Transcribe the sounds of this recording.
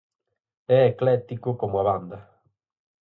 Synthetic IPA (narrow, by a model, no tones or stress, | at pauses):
ɛeklɛt̪ikʊkomoaβand̪ɐ